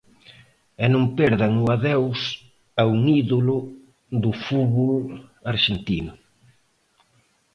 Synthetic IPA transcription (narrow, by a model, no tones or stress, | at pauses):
ɛnõŋpeɾðaŋʊaðɛws | auŋiðolʊ | ðʊfuβolaɾʃent̪inʊ